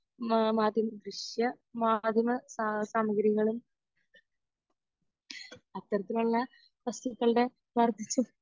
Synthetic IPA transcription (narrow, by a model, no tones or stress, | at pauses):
maːd̪ʱjɐmɐɡɾɨʂjɐ | maːd̪ʱjɐmɐssaːmɐɡɐɾjɐɣɐɭum | ɐt̪ːɐɾɐt̪ːiluɭːɐ | pɐst̪ukːɐɭɨɽe̞ | ʋɐrd̪ʱit͡ɕːu